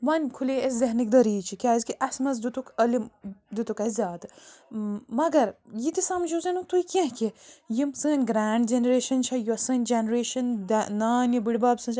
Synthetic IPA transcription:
ʋɐnʲkʰuleeszɐɦnik̚d̪ɐɾiːt͡ʃʰikʲaːizʲkiʔɐsmɐz̬d̪ut̪ukɐlimd̪ut̪ukɐzʲaːd̪ɨ | mɐɡɐɾjit̪isɐmd͡ʒuzɐnut̪uikʲɐ̃ɦkejimsɨːnʲɡɾaːɳɖd͡ʒenɾeːʃɐnt͡ʃʰɐjusɨːnʲd͡ʒenɾeːʃɐnd̪ɐnaːnʲjibiɽbaːbsɨ̃ːt͡ʃʰ

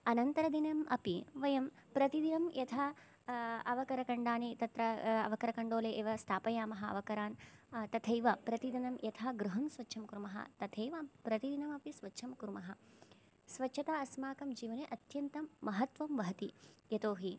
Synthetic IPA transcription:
ɐnɐnt̪ɐɾɐd̪inɐmʔɐ̰piʋɐjɐm | pɾɐt̪id̪inɐmjɐt̪ʰaː | ɐʋɐkɐɾɐkɐɳɖaːnit̪ɐt̪ɾɐɐ̰ʋɐkɐɾɐkɐɳɖoːleːʔeːʋɐst̪ʰaːpɐjaːmɐɦɐɐ̰ʋɐkɐɾaːnt̪ɐt̪ʰɐjʋɐpɾɐt̪id̪ɐnɐmjɐt̪ʰaːɡɾuɦɐmsʋɐtːʃʰɐmkuɾmɐɦɐ̰t̪ɐt̪ʰɐjʋɐpɾɐt̪id̪inɐmɐpisʋɐtːʃʰɐmkuɾmɐɦɐ | sʋɐtːʃʰɐt̪aːɐsmaːkɐmd͡ʒiːʋɐneʔɐt̪jɐnt̪ɐmːɐɦɐt̪ʋɐmʋɐɦɐt̪ijɐt̪oːɦi

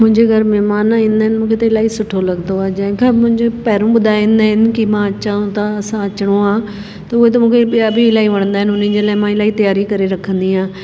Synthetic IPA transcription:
mʊ̃ɲd͡ʒeːɡəɾmɛːmaːnãːĩːnd̪aːɦnmʊ̃ːkʰeːt̪ːɪlaːiːsʊʈʰːoːləɡd̪oːaːd͡ʒɛ̃kaːmʊ̃ɲd͡ʒeːpɛːɾũːbəd̪aːẽːnd̪aːɦɪnkɪmãːət͡ʃaːũːt̪ãːəsãːət͡ʃɽoːãː | t̪aʊeːt̪̬ãmʊ̃ːkʰeabiɪlaːiːʋəɳ̃nd̪aːɦɪnʊnĩːd͡ʒeːlaːmãːɪlaːiːt̪əjaːɾiːkəɾeːɾəkʰːə̃nd̪iːãː

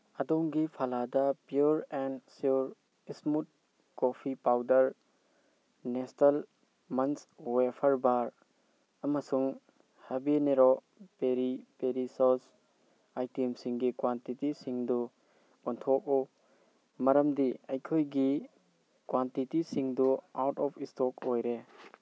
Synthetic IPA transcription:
ɐdoŋɡipʰaladɐpjuɾɛnsuɾ | ismut̚ | kopʰipawdɐɾ | nestɐl | mɐnswepʰɐɾbaɾ | ɐmɐsuŋ | hebineɾo | peɾipeɾisɔs | ajtimsiŋɡikwantitisiŋdu | ɔntʰɔk̚u | mɐɾɐmdiɐjkʰojɡi | kwantitisiŋduawtɔpʰistɔkojɾe

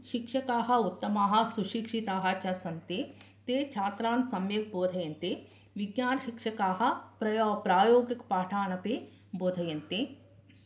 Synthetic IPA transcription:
ʃikʂɐkaːɦɐut̪ːɐmaːɦɐ̆suʃikʂit̪aːɦɐt͡ʃɐsɐnt̪eː | t̪eːt͡ʃʰaːt̪ɾãːnsɐmjeɡ̚boːd̪ʱɐjɐnt̪e | ʋɪɡjaːnʃikʂɐkaːɦɐ̆pɾɐjopɾaːjoːɡikpaːʈʰaːnɐpeː | boːd̪ʱɐjɐnt̪eː

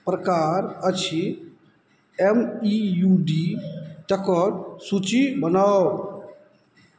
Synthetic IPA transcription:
pɾəkaɾət͡ʃʰi | emijuɖit̪əkəɾsut͡ʃibənaw

